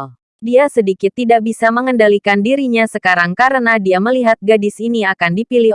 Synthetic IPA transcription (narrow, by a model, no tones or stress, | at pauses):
diasədikɪt̪ːidaʔbisaməŋəndalikandiɾiɲasəkaɾaŋkaɾənadiaməliɦat̪̚ɡadɪsiniakandipilɪh